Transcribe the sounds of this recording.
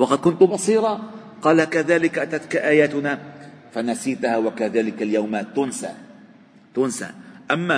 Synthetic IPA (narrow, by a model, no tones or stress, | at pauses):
wɑqɑd̪̚kʊnt̪ʊbɑsˤiːɾˤɑ | qɑːlakaðaːlɪkaʔat̪at̪kaʔaːjaːt̪ʊnafanasiːt̪haːwakaðaːlɪkaljawmat̪ʊnsa̰ː | t̪ʊnsa̰ʔamːa